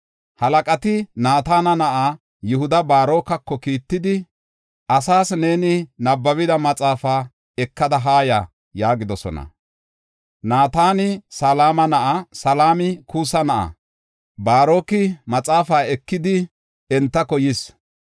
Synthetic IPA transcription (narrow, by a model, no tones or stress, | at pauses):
hɐlɐkʼɐt̪ɪnaːt̪aːnɐnɐʔa | jʊhʊd̪ɐbaːɾo̞ːkɐkːɔkiːt̪ːɪd̪ɪ | ʔɐsaːsne̞ːnɪnɐbːɐβɪd̪ɐmɐt͡sʼaːfaː | ɛkːɐd̪ɐɦaːja | jaːɡɪd̪ɔsɔ̰nɐ̰ | naːt̪aːnɪsalaːmɐnɐʔɐsɐlaːmɪkʰusɐnɐʔɐ̰ | baːɾo̞ːkɪmɐt͡sʼaːfaːɛkːɪd̪ɪ | ɛnt̪ːɐkɔjɪs